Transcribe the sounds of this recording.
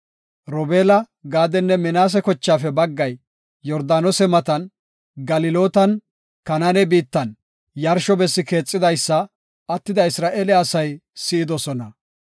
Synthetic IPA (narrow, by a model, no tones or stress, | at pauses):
ɾɔbeːlɐ | ɡaːd̪ɛnːɛmɪnaːs̬ɛkɔt͡ʃːaːfɛbɐɡːɐj | jɔɾd̪aːnosɛmɐt̪ɐn | ɡɐlɪlo̞ːt̪ɐn | kɐnanɛbiːt̪ːɐn | jɐɾʃɔbɛsːɪke̞ːt͡sʼːɪd̪ɐjsːɐː | t̪ːɪd̪ɐɪsɾaːʔeːlɪɐsɐjsɪɪd̪ɔsɔnɐ